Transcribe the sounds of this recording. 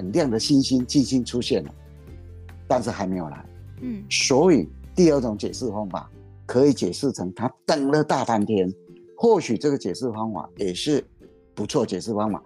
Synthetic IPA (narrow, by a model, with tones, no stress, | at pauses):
ə˨˩nljɑ˥˩ŋd̪ə˨˩ɕi˥nɕi˦˥nt͡ɕi˥nɕi˥nʈ͡ʂʰu˥ɕjɛ˥˩nlə̰˩ | t̪a˥˧nʂ̬ɻ̩˥˩xa˧˥ɪme˧˥ɪjo˨˩la̰˧˦ɪ | swɔ˧˦˥i˨˩t̪i˥˧ə˥˩ʈ͡ʂʊ˧˥ŋt͡ɕjɛ˨˩ʂ̩˥˩fɑ˧˥ŋfa̰˨˩˦ | kʰɤ˧˦˥i˨˧˩t͡ɕjɛ˨˩ʂɹ̩˥˩t͡sʰɤ˧˥ŋt̪ʰa˦t̪ə˨˩ŋlə˨t̪a˥˧t̪a˥nt̪ʰjɛ˥n | xwɔ˥˩ɕy˨˩ʈ͡ʂɤ˥˩ɡə˨˩t͡ɕjɛ˨˩ʂɹ̩˥˩fɑ˥ŋfa̰˨˦jɛ˨˩ʂɻ̩˥˩ | pu˧˦t͡sʰwɔ˥˩t͡ɕjɛ˨˩sɹ̩˥˩fɑ˥ŋwa̰˨˩˦